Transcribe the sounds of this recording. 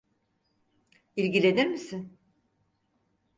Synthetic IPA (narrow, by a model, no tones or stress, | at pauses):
ilʲɟilʲe̞d̪iɾmisɪn